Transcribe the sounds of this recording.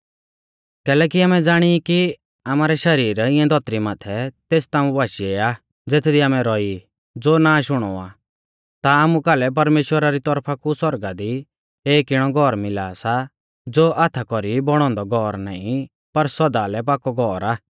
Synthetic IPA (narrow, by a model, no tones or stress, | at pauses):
kɛːlɛːkiaːmɛd͡zaːɽ̃iki | aːmaːɾɛʃɐɾiːɾɪ̃ɛ̃d̪ʱɔt̪ɾimaːt̪ʰɛt̪eːst̪aːmũbaːʃieaː | d͡zeːt̪ʰd̪iaːmɛ̃ɾɔi | d͡zoːnaːʃʊɽ̃ɔa̰ː | t̪aːmũkaːlɛp̬ɐɾmeːʃwəɾaɾit̪ɔɾpʰakuswɔɾɡad̪i | eːkɪɽ̃ɔɡʱɔɾmɪla̰ːsa | d͡zoːʔaːt̪ʰakɔɾibɔɽ̃ɔ̃ːnd̪ɔɡʱɔɾna̰ːĩ | pɐɾsɔd̪aːlɛp̬aːkɔɡʱɔːɾaː